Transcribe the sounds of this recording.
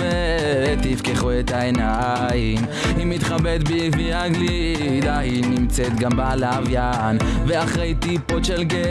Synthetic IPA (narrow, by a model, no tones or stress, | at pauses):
e | t̪ːifkeχuet̪aena | jim | himit̪χabet̪bibiaɡli | d̪ahinimt͡sɛt̪ɡambealaːvja | n | veaχʁejt̪ipotʃelɡe